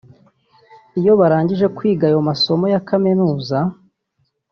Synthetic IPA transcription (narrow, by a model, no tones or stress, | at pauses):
ijo̞βaɾaːɲɟiʒe̞kwiːɡajomaso̞mo̞jakamenuːza